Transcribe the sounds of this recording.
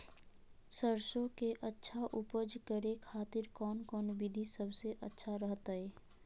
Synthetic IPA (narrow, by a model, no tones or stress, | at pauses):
səɾʃõkeʔətːʃʰaʔʊpəd͡ʒkəɾekʰaːt̪ɪɾkɔːnkɔːnbɪd̪ʱisəbʱseʔə̰tːʃʰaɾəɦt̪aeː